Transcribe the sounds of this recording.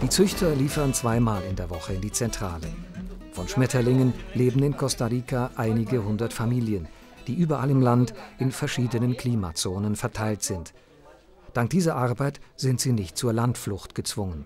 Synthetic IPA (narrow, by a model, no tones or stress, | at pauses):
d̥iːt͡sʏçtʰɐliːfɐnt͡sv̥aɪmaːlɪndeːɐvɔχəɪndiːt͡sɛntʁ̥aːləfɔnʃmɛtɐlɪŋənleːbm̩ɪnkʰɔstaʁiːkʰaʔaɪnɪɡəɦʊndɐtfamiːljənd̥iːʔyːbɐʔalɪmlantʔɪnfɛɐʃiːdənənkʰl̥iːma̰t͡soːnənfɛɐtʰaɪltz̥ɪnt | d̥aŋk̚d̥iːzɐʔaɐbaɪtz̥ɪntz̥iːnɪçt̚t͡suːɐlantflʊxtɡ̥ət͡sv̥ʊŋən